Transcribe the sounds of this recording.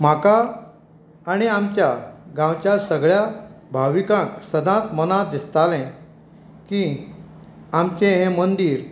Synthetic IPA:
m̤akaː | ɽ̃iamt͡ɕjaɡãwt͡ɕjasəɡɭjabʱaʋikãksəd̪ãt̪mənãd̪ist̪alɛ̃ | kĩ | amt͡ɕẽɦẽmənd̪iːɾ

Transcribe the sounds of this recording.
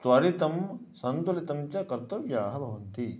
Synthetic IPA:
sʋɐɾit̪ɐmsɐnt̪ulit̪ɐmt͡ʃɐkɐɾt̪ɐʋjaːɦɐbʱɐʋɐnt̪i

